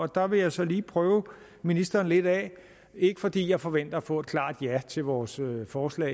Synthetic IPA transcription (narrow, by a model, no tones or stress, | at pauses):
ɒ̽d̥ɑ̈ʋe̝jɑ̈ɪsɒ̽liːpʰʁœːʊ | minisd̥ɐːn̩le̝d̥ɛ̰ | e̝ɡ̥əfɒ̽d̥ḭːjɑ̈ɪfɒ̽ʋen̰d̥ɐæfɔ̰̽ːed̥̚kʰlɑ̰̈ːd̥jæt͡sʰe̝lʋɒːsøfɒːslɛ̰ː